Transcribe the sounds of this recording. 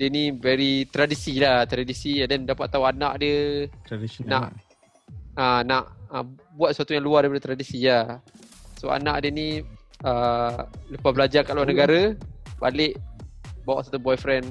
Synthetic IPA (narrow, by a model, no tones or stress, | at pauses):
dənivɛɾit̪ɾadisilaht̪ɾadisiadɛndapat̪ːauanaʔdə | naʔ | anaʔəbuat̪̚səsat̪ujãŋluadaipadət̪ɾadisija | so̰a̰naʔdəniə | lupahbəlad͡ʒakaʔluanəɡaɾəba̰lɪʔbawaʔsat̪ubɔjfɾɛn